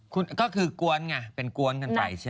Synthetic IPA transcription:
kʰu˧nkɔː˥˩kʰɯː˧ku˧ənŋa˧˩pe˧nku˧ənka˧npa̰˧jt͡ɕʰː

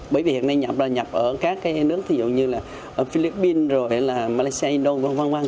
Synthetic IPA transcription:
ɓəː˧˩vi˨˩hi˨˩əna˧jɲa˨˩p̚zaː˨˩ɲa˨˩p̚ʔəː˧˩kaː˦˥kːaː˨˦jnɨ˦˥ək̚t̪ʰi˨˩zṵ˨˩ŋ͡mɲɨ˧laː˨˩ | ʔəː˧˩fi˧li˦˥pːi˧nzo˨˩jlaː˨˩ma˧la˧jsi˧a˧i˧nɗo˧va˧nva˧nva˧ŋ

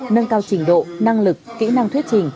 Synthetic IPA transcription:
nə˧nkaː˧wt͡ɕï˧˩ŋ̟ɗo̰˧˨na˧ŋlɨ˨˩k̚ːḭ˧˥na˧ŋt̪wi˦˥ət̚t͡ɕï˨˩ŋ̟

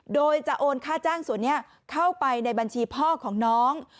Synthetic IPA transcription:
doː˧jt͡ɕa˨˩ʔoː˧nkʰaː˥˩t͡ɕaː˥˩ŋsu˩˦ənːi˥˩ɐ | kʰa˥˩wpa˧jna˧jba˧nt͡ɕʰiː˧pʰɔː˥˩kʰɔː˩˦ŋnɔː˦˥ŋ

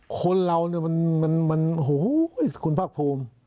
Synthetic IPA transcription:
kʰo˧nɾa˧wni˥˩ɐma˧nma˧nma˧nɦo˦jkʰu˧npʰaː˥˩k̚pʰoː˧m

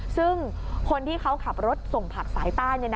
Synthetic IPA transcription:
sɯ˥˩ŋ | kʰo˧nt̪ʰiː˥˩kʰa˦˥wkʰa˨˩p̚ɾo˦˥t̪̚so˨˩ŋpʰa˨˩k̚saː˩˦jt̪aː˥˩nɲa˧n˧

